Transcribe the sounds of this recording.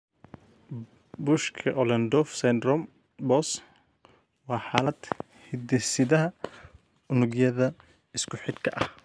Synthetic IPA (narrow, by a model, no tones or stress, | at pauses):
bʊʃkʰɐʔɔlɐnd̪ɔfsɛnd̪ɾɔm | bɔs | wɑːħaːlɐd̪̥ | hɪd̪ɛsɪðɐɦɐ | ʊnʊɡjɐðɐ | ɪskʰʊħɪd̪kʰɐʔɐh